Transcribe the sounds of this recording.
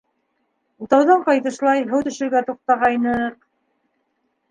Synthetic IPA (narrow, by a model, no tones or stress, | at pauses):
ut̪ɑwðɑɴqɑjt̪ɤ̆ʃlˠɑjɦɤwt̪ɵ̆ʃɘ̆ɾɡæt̪uq̚t̪ɑʁɑjnɤq